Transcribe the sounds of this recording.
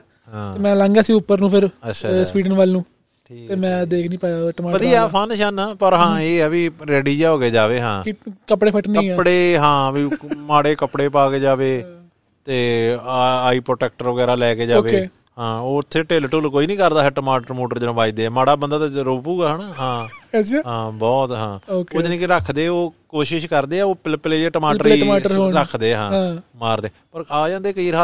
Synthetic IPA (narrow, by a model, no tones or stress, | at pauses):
ãːeːmɛ̃ːlãːŋɡaːsiːʊpːəɾnũːpʰɪɾətːʃʰasʋiːɖənʋaːlnũː | ʈʰiːeːmɛ̃ːd̪eːkʰnĩːpaːaʈəmaːʋəd̪iapʰanʃənaːpəɾɦãːeːɛːʋiːɾɛːɽiːd͡ʒaːɦoːɡeːd͡ʒaːʋeːɦã̰ːkɪkəpɽeːpʰəʈnə̃ːãːpɽeːɦãːʋiːmaːɽeːkəpɽeːpaːkeːd͡ʒaːʋeː | t̪eː | aːiːpɾoːʈɛːk̚ʈəɾʋəɡɛːɾaːlɛːkeːd͡ʒaoːʋeːe | ɦãːoːɪt̪ʰːeːʈeːlʈuːlkoːiːnĩːkəɾd̪aːɦɛːʈəmaːʈəɾmoːʈəɾd͡ʒnãːbaːiːd̪eːɛːmaːɽaːbənd̪aːt̪aɾoːpuːɡaːɦənɦãːt͡ʃʰːɦãːbɔːt̪ɦãːokoːd͡ʒnĩːkɪɾəkʰd̪eːoːkoːʃɪʃkəɾd̪eːɛːoːpɪlpleːd͡ʒeːʈəmaːləɾeiːaːəɾɾəkʰd̪eːɦãːãːmaːɾd̪eːpəɾaːd͡ʒãːnd̪eːkəiːɾɦaː